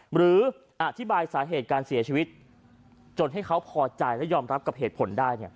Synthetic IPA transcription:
ɾɯː˩˦ | ʔa˨˩t̪ʰi˦˥baː˧jsaː˩˦ɦeː˨˩t̪̚kaː˧nsi˨˩˦t͡ɕʰiː˧wi˦˥t̪̚ | t͡ɕo˧nɦa˥˩jkʰa˦˥wpʰɔː˧t͡ɕa˧jlɛ˦˥jɔː˧mɾa˦˥p̚ka˨˩p̚ɦeː˨˩t̪pʰo˩˦ndaː˥˩jni˥˩ɐ

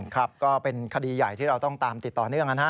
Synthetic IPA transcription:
kʰɾa˦˥p̚kɔː˥˩pe˧nkʰa˧diː˧ja˨˩jt̪ʰiː˥˩ɾa˧wt̪ɔ˥˩ŋt̪aː˧mt̪i˨˩t̪ːɔː˨˩nɯ˥˩əŋka˧nɦa˦˥

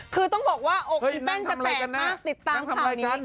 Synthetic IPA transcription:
kʰɯː˧t̪ɔ˥˩ŋbɔː˨˩k̚waː˥˩ʔoː˧˦iː˧pɛ˥˩ŋtʰa˨˩˧ma˧ɾaː˧˩ka˧nːaa˦˥˩t̪i˨˩t̪ːaː˧˩mt̪ʰa˧˨m˧ɾa˧nia˦˥

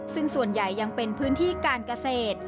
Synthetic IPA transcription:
sɯ˥˩ŋsu˨˩ənja˨˩jːa˧ŋpe˧npʰɯː˦˥nt̪ʰiː˥˩kaː˧nka˧seː˨˩t̪̚

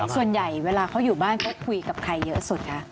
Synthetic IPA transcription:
ssu˨˩ənja˨˩jweː˧laː˧kʰa˦˥wjuː˨˩baː˥˩nkʰa˦˥wkʰu˧jka˨˩p̚kʰa˧jːɤ˦˥su˨˩t̪̚kʰa˦˥ʔ

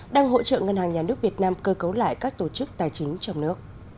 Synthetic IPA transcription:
ɗaː˧ŋɦo̰˧˥t͡ɕə̰ː˧˨ŋə˧nhaː˨˩ŋɲaː˨˩nɨ˦˥ək̚vi˨˩ət̚naː˧mkəː˧kə˨˦wla̰ː˧˨jkaː˦˥k̚t̪o˧˩t͡ɕɨ˦˥k̚t̪aː˨˩jt͡ɕï˨˦ŋ̟t͡ɕɔ˧wŋ͡mnɨ˦˥ək̚

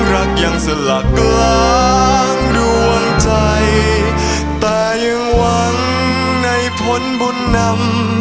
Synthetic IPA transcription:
ɾa˦˥k̚jaː˨˩ŋsa˧la˨˩kːlaː˦˥ŋdu˧ənt͡ɕa˧j | t̪ɛː˨˧˩jɯ˧ŋwa˦˥ŋ | na˧jpʰo˦˥nbu˧nːa˧m

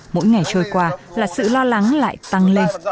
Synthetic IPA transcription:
mo̰˧˥jŋa˨˩jt͡ɕəː˧jkwaː˧laː˨˩sɨ̰˧˨lɔ˧la˨˦ŋla̰ː˧˨jt̪a˧ŋle˧n

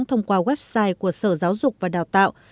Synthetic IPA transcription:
ŋ͡mt̪ʰə˧wŋ͡mkwaː˧ɣwɛ˦˥p̚saː˧jku˧˩əsəː˧˩zaː˨˦wzʊ˨˩k͡p̚vaː˨˩ɗaː˨˩t̪a̰ː˧˨w

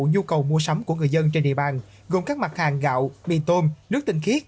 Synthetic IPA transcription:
ɲu˧kə˨˩wmu˧əsa˨˦wŋ͡mku˧˩əŋɨ˨˩əjzə˧nt͡ɕe˧nɗḭ˨əɓaː˨˩n | ɣo˨˩ŋ͡mkaː˦˥k̚ma˨˩t̚haː˨˩ŋɣa̰ː˧˨wɓḭ˧˨t̪o˧mnɨ˦˥ək̚t̪ï˨˩ŋ̟xi˦˥ət̚

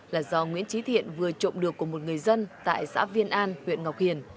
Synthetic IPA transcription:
laː˨˩zɔ˧ŋwi˧˥ənt͡ɕi˨˦t̪ʰḭ˧˨ənvɨ˨˩ət͡ɕo̰˧˨ŋ͡mɗɨ˨˩əkːu˧˩əmo˨˩t̚ŋɨ˨˩əjzə˧nt̪a̰ː˧˨jsa̰ː˧˥vi˧ənʔaː˧nhwḭ˧˨ənŋa˨˩wk͡p̚hi˨˩ən

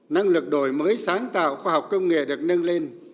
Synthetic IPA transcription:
na˧ŋlɨ˨˩k̚ɗo˧˩jməː˨˦jsaː˨˦ŋt̪a̰ː˧˨wxwaː˧ɦa˨˩wk͡p̚kə˧wŋ͡mŋḛ˧˨ɗɨ˨˩ək̚nə˧nle˧n

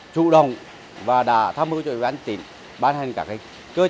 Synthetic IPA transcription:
t͡ɕṵ˧˨ɗə˨˩wŋ͡m | vaː˨˩ɗa̰ː˧˥t̪ʰaː˧mhɨ˧˥t͡ɕɔ˧˩˧ɓaː˧˦ŋt̪ḭ˧˩˨n | ɓaː˧nhɛ˨˩jŋ̟kaː˧˩ka˧˦ŋ | kəː˧

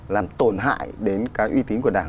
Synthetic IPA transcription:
laː˨˩mt̪o˧˩nɦa̰ː˧˨jɗe˨˦nkaː˨˦jʔwi˧t̪i˨˦nku˧˩əɗaː˧˩ŋ

